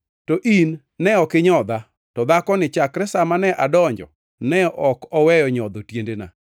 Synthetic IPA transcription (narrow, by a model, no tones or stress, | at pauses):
tɔʔinː | ɛɔkɪɲɔd̪a | tɔd̪akɔnɪt͡ʃakɾɛsamanɛʔadɔɲd͡ʒɔ̰ | nɛʔɔkɔwɛjɔɲɔd̪otjendena̰